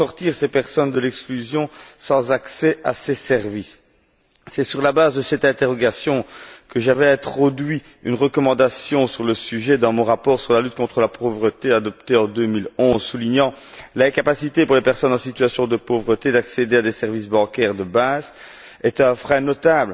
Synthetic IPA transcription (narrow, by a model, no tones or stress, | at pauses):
ɔʁt̪iʁsepɛʁsɔnd̪əlɛksklyzjɔ̃sɑ̃zaksɛa̰sesɛʁvisː | ɛsyʁlabazd̪əsɛt̪ɛ̃t̪eʁɔɡasjɔ̃kəʒavɛɛ̃t̪χɔd̪ɥi | ynʁəkɔmɑ̃d̪asjɔ̃syʁləsyʒɛd̪ɑ̃mɔ̃ʁapɔːʁsyʁlalyt̪̚kɔ̃t̪χəlapʰovʁət̪ead̪ɔp̚t̪eɑ̃d̪ømilɔ̃ːzsuliɲɑ̃ | lɛ̃kapasit̪epuʁlepɛʁsɔnɑ̃sit̪yasjɔ̃d̪əpovʁət̪ed̪aksed̪ead̪esɛʁvis̬bɑ̃kʲɛːʁd̪əbaz | ɛt̪ɛ̃fχɛ̃nɔt̪abl